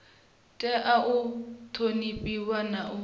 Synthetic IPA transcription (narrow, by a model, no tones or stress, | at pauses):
tʼɛʔaʔʊtʰonipʼiwanaʔʊ